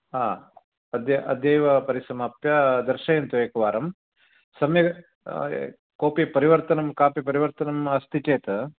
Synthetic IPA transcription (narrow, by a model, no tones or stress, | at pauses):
aː | ɐd̪jɐʔɐd̪jɐjʋɐpɐɾisɐmaːpjɐd̪ɐɾʃɐjɐnt̪ueːkɐʋaːɾɐm | sɐmjɐ | koːpipɐɾiʋɐɾt̪ɐnɐmkaːpipɐɾiʋɐɾt̪ɐnɐmɐst̪it͡ʃeːt̪ɐ